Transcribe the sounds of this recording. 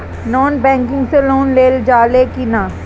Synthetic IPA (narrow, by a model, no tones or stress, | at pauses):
nɔːnbɛ̃ːŋkɪ̃ŋɡseloːnleːld͡ʒaːlekina